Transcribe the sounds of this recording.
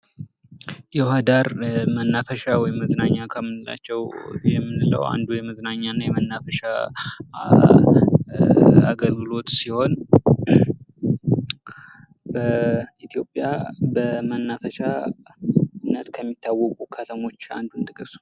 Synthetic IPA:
jɛwhad̪aɾmənːafəʃawɔjɪmːəznaɲːakʰəmːɨnɨla̰t͡ʃːɛwjɛmːɨnɨlə̰wa̰nd̪ujɛməznaɲːanːajɛmənːafəʃa | a̰ɡəlɡɨlo̞t̪siho̞n | bəit̪ʰjo̞pʼːjabəmənːafəʃa | nːət̪kʰəmːit̪ʰːawːɔkʼukʰət̪ʰəmo̞t͡ʃːa̰nd̪unt̪ʼɨkʼɨs

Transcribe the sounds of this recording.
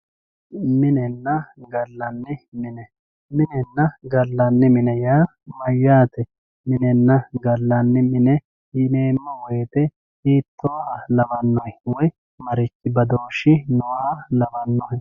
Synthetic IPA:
mɪnɛnːɐɡɐlːɐnːɪmɪnɛ | mɪnɛnːɐɡɐlːɐnːɪmɪnɛjaː | mɐjːaːt̪ɛ | mɪnɛnːɐɡɐlːɐnːɪmɪnɛ | ɪneːmːɐweːt̪ɛ | hiːt̪ʰːɔʔɐlɐbɐnːɔhɛwɔj | mɐɾɪt͡ʃːɪbɐd̪o̞ːʃːɪnɔwɐlɐbɐnːɔhɛ

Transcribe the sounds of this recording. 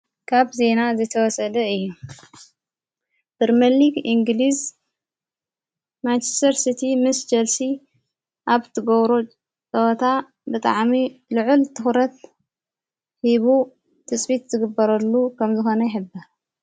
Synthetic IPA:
kʰaβze̞nazɐjt̪ʰɐwɔsɐd̪ɐɨjːu | b̥ɨɾmɐliɡiŋɡliz | mant͡ʃest̪ʰɐɾsit̪ʰimɨsd͡ʒɐlsi | ʔaβt̪ʰɨɡɐβɾo | t͡sʼɐwt̪ʰa | bɨt̪ʼa̰ʕmilʊʕʊlt̪ʰɨxɾɐt̪ | hiβu | t̪ʰɨt͡sʼfit̪zɨɡɨbːɐɾɐlːukʰɐmzɨxo̞nɐjɪħɨbːɐɾ

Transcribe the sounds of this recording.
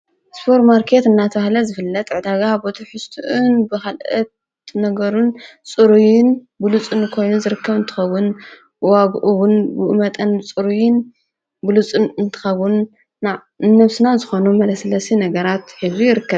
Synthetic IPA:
spʰoɾt̪maɾkʰe̞t̪ɨnːat̪ʰɐβahlɐzɨfɨlːɐt̪ʼʕɨd̪aɡabot̪ʰuħɨst̪ʰuʔunbɨkalʔɐt̪ | nɐɡɐɾunt͡sʼɨɾujɪn | bɨlut͡sʼɨnkʰo̞jnuzɨɾɨkːɐβɨnt̪ʰɨ̥xɐβun | waɡʔuwʊnbɨʔɨmɐt̪ʼɨnɨt͡sʼɨɾujɪn | bɨlut͡sʼunɨnt̪ʰɨ̥xɐβunː | a | ɨnɐβsɨnazɨxo̞numɐlɐsɐlɐsinɐɡɐɾat̪ħɨzijɪɾɨkːɐβ

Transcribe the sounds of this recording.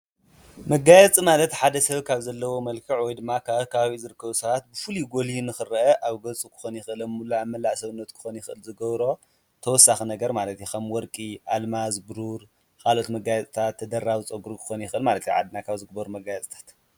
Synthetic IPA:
mɐɡajɛt͡sʼimalɐt̪ħad̪ɐsɐβkʰaβzɐlːɐwo̞mɐlkʰɐʕwɔjd̪ɨmːakʰaβkʰɐβaβizɨɾɨkːɐβusɐβat̪̚bɨfɨliɡo̞lihinɨxɨrʔɐʔaβɡɐt͡sʼukʰɨ̥xonjɪxʔɨlɐmːulaamɐlaʕsɐβɨnːɐt̪kʰɨ̥xonjɪxʔɨlzɨɡɐβɾo̞ | t̪ʰɐwɔsːaxinɐɡɐɾmalɐt̪jukʰɐmwɔɾkʼiʔalmazbɨɾuɾ | kʰalʔo̞t̪mɐɡajɛt͡sʼt̪ʰat̪ʰːɐd̪ɐɾːawɨt͡sʼɐɡuɾukʰɨ̥xonjɪxʔɨlmalɐt̪j̰ʕa̰d̪nakʰaβzɨɡ̚bɐɾumɐɡajɛt͡sʼt̪ʰḁt̪

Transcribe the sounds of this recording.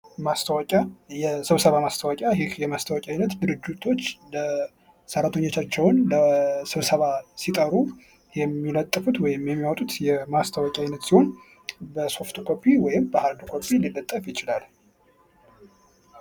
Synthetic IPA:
mast̪ʰəwɔkʼajɛsɨβsəβamast̪ʰəwɔkʼjajɪhjɛmast̪ʰəwɔkʼajnət̪d̪ɨɾɨd͡ʒːut̪ʰo̞t͡ʃːlə | səɾat̪ʰəɲːo̞t͡ʃːat͡ʃːɛwnləsɨβsəβasit̪ʼəɾu | jɛmːilət̪ʼːɨfut̪wɔjɪmjɛmːiwɔt̪ʼut̪jɛmast̪ʰəwɔkʼiajnət̪siho̞n | bəso̞ft̪ʰukʰo̞pʰːiwɔjɪmbəhaɾd̪kʰo̞pʰːililːət̪ʼːəfjɪt͡ʃɪlal

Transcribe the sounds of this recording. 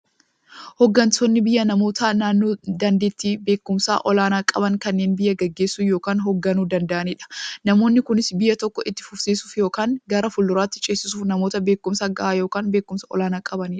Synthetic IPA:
hɔɡːɐnt̪ɔnːɪbɪjːɐnɐmo̞ːt̪anaːnːoːd̪ɐnd̪e̞ːt̪ːiːbe̞ːkːʊmsa̰ːʔɔlaːnaːkʼɐbɐŋkɐnːeːnbɪjːɐɡɐɡːe̞ːsːuːjo̞ːkaːnɦɔɡːɐnuːd̪ɐnd̪ɐʔɐniːᶑɐ̥nɐmo̞ːnːɪkʊnɪsbɪjːɐt̪ɔkːɔʔɪt̪ːɪ̥fʊfsiːsu̥ːfjo̞ːkaːŋɡɐɾɐfʊlːʊɾaːt̪ːɪt͡ʃʼeːsɪsuːfnɐmo̞ːt̪ɐbeːkːʊmsaːɡɐʔaːjo̞ːkaːnbeːkːʊmsɐɔ̰laːnaːkʼɐbɐniːᶑɐ̥

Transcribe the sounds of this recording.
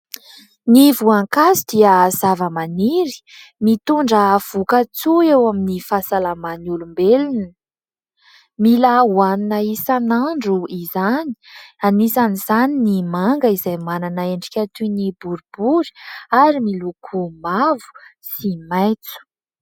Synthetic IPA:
nivuaŋkazid̪iəz̥avəmaniɾi̥mit̪uɳɖ͡ʐəv̥ukat͡suewaminifasalamanulumbelinə | milauaninaisanaɳɖ͡ʐuizani̥anisaniz̥aninimaŋɡəizajmananaeɳɖ͡ʐi̥kʲat̪unibuɾubuɾi̥aɾimilukʰumavu̥simajt͡su̥

